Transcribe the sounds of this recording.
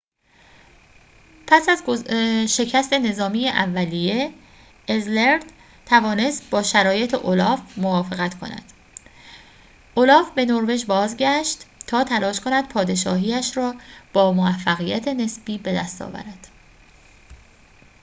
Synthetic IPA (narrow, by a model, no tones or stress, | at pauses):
pʰæsæzoʃe̞cʰæst̪e̞ne̞zɒːmijeʔævːælije̞ː | zleɾd̪ | t̪ʰævɒːne̞st̪̚bɒːʃæɾɒːje̞t̪ʰeʔolɒːfmovɒːfeɣæt̪kʰo̞̰næ̰d̪̥ | ʔolɒːfbe̞noɾve̞d͡ʒbɒːzɟæʃt̪ːʰɒːt̪ʰælɒːʃkʰo̞næd̪̚pʰɒːd̪e̞ʃɒ̰ːɦiːæʃɾɒːb̥ɒːmovæfːæɣijæt̪ʰe̞ne̞sb̥iːbe̞d̪æst̪ʰɒ̰ːvæ̰ɾæd̪̥